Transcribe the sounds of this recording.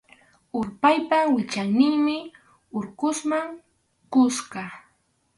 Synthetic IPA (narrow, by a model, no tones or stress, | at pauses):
ʊɾpajpawɪt͡ʃaŋnɪŋmɪ | ʊɾkʊsmaŋ | kʊsɢɑ